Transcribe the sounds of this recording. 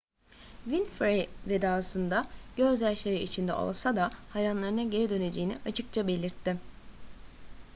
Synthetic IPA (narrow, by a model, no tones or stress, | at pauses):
vinfɾeved̪aːsɯnd̪aɟ̥ø̞zæɾʃʲeɾiit͡ʃʰind̪ɛ̰ʔo̞̰lˠsad̪ahajɾanlˠaɾɯnaɟe̞ɾid̪ø̞ne̞d͡ʒe̞ːiniʔat͡ʃʰɯk̚t͡ʃʰabe̞lʲiɾt̪ʰːɪ